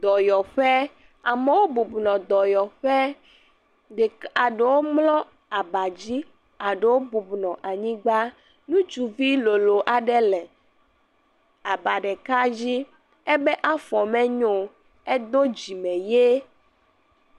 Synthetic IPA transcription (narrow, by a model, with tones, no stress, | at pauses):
d̪ɔ˨jɔ˨ɸɛ˦ | a˨me˦wo˦bu˨bnɔ̃˨d̪ɔ˨jɔ˨ɸɛ˦ | ɖe˨a˨ɖe˨wo˦mlɔ̃˦ | a˨ba˨d͡ʑi˦ | a˨ɖe˨wo˦bu˨bnɔ̃˨ʔa˨ɲĩ˦ɡ͡ba˦ | nũ˦d͡ʒu˨vi˦lo˨lo˨ʔa˨ɖɛ˦lɛ˨ | a˨ba˨ɖɛ˨ka˦d͡ʑi˦ | e˦bɛ˦ʔa˦fɔ˨mɛ̃˦ɲo˨ | e˦d̪o˦d͡ʑi˨mɛ̃˨je˦